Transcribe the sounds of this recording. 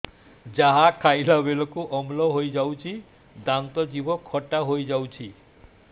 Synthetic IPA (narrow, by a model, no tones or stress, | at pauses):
d͡ʒaɦakʰajlabelɔkuʔɔmlɔɦojd͡ʒawt͡ʃʰi | d̪aŋt̪ɔd͡ʒibɔkʰɔʈaɦojd͡ʒawt͡ʃʰi